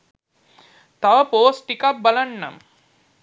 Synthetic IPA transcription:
t̪ɐʋɐpoːsʈikɐp̚bɐlɐɳːɐ̰m

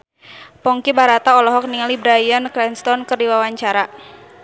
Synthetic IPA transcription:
pɔŋkibaɾat̪aɔlɔɦɔk̚niŋalibɾajankɾɛnst̪ɔnkərdiwawaɲt͡ʃaɾa

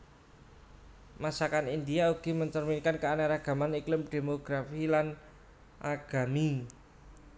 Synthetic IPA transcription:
masakanind̪iauɡ̥i̤məɲt͡ʃərminkankəanaɾaɡ̥a̤maniklɪmd̪̥e̤moɡ̥ɾafilan | ʔaɡ̥a̤mi

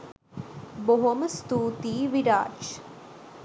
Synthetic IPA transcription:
boɦomst̪uːt̪iːʋiɾa̰ːt͡ʃ

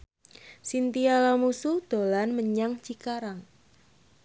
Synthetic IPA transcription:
sint̪ialamusuhd̪̥o̤lanməɲaŋt͡ʃikaɾaŋ

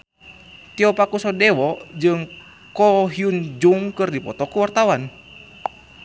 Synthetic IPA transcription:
t̪iɔpakusɔdɛwɔd͡ʒɨŋ | kɔɦiund͡ʒuŋkɨrdipɔt̪ɔkuwart̪awan

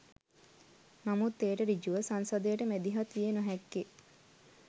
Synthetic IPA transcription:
namut̪ːeːʈəɾid͡ʒuʋəsansɐd̪əjəʈəmed̪iɦat̪ijenoɦɛkːe

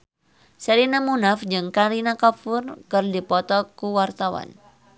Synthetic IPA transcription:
sɛɾinamunafd͡ʒɨŋkaɾinakɔpurkɨrd̪ipɔt̪ɔkuwart̪awa̰n

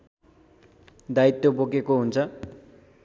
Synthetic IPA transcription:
d̪ait̪ːobokekoɦunt͡sʰʌ

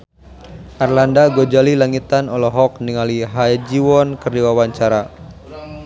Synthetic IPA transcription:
ʔarlandaɡod͡ʒalilaŋit̪anɔlɔɦɔk̚niŋaliɦajd͡ʒiwɔnkərdiwawaɲt͡ʃaɾa

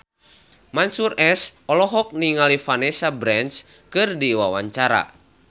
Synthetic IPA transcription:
mansurɛsɔlɔɦɔk̚niŋalifanɛsabɾɛnt͡ʃ | kɨrdiwawa̰ɲt͡ʃaɾa̰

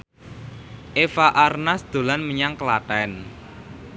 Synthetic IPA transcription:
ʔefaʔarnasd̪̥o̤lanməɲaŋkəlaʈɛn

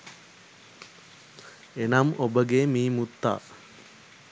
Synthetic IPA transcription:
enamobəɡemiːmut̪ːa̰ː

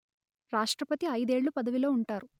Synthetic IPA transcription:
ɾaːʂʈɾɐpɐt̪iɐjd̪e̞ːɭːupɐd̪ɐʋilo̞ːuɳʈaːɾu

